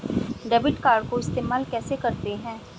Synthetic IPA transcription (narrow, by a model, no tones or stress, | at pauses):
ɖɛːbɪʈkaːɾɖkoɪst̪eːmaːlkɛːseːkəɾt̪eɦɛ̃ː